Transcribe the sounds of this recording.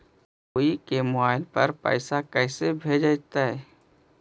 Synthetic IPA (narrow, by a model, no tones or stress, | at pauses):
oːikemʊaːɪlpɐ̰ɾpɛ̰ːsakɛːsebʱeːd͡ʒəd͡ʒt̪aɦɛː